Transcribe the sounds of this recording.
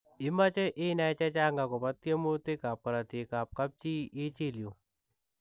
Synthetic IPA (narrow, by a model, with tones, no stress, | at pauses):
ɪ˦ma˦t͡ʃɛ˦ʔɪ˦na˦ɛ˦t͡ʃɛ˦t͡ʃa˦ŋɡa˨kɔ˨pa˦t̪ːje˦mo˦te˦ka˨p̚ka˨ɾa˨te˨ka˨p̚ka˦p̚t͡ʃi˦ɪ˦t͡ʃe˦˨ljo˨